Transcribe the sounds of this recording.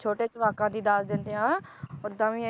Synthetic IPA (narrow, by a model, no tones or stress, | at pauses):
t͡ʃʰoːʈeːt͡ʃʊʋaːkãːd̪iːd̪aːsd̪ɪ̃nd̪eãː | ʊd̪ãːʋĩ